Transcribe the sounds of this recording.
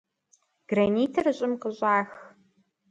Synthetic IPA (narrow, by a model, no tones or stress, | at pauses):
ɡ̥rɐniːtʰɐrɨɕʼɪmqəɕʼaːx